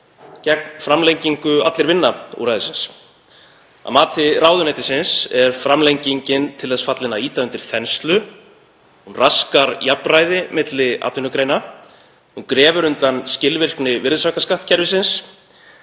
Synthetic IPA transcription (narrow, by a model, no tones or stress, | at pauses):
cɛk̚nfɾamlejɲciŋkʏa̰t̪lɪɾvɪnːaṵɾajðɪsɪns | a̰maːt̪ʰɪɾaːwðʏnɛt̪ɪ̥sɪnsɛɾ̥fɾamlejɲciɲcɪnt̪ʰɪlθɛsfat̪lɪnaiːt̪aʏnt̪ɪɾ̥θɛnst̪lʏ | hunraskaɾjaprajðɪmɪt̪lɪa̰ːt̪ʏnʏkɾeːjna | ukɾɛːvʏɾʏnt̪anscɪlvɪr̥knɪvɪɾðɪsakaskaht̪̚cʰɛɾvɪsɪns